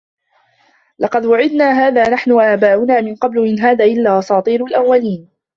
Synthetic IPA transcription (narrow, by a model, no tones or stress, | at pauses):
lʔɑqɑd̪waʕɪd̪naːɦaːðaːnaħnʊʔaːbaːʔʊnaːmɪnqɑblʊmɪnɦaːðaːʔɪlːaːʔɑsˤɑːt̪ˤiːɾʊlʔawːaliːn